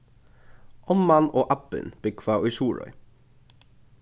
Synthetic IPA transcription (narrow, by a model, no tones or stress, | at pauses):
ʔɔmɑnoːʔɑpə̰nb̥ɪkʰfɑːʔʉsuːɹɔ̰ʏ